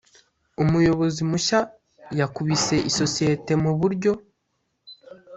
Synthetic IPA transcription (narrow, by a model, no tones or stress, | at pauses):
omujo̞βo̞zimuʃa | jakuβise̞ʔiso̞sie̞te̞muβuɾɟo̞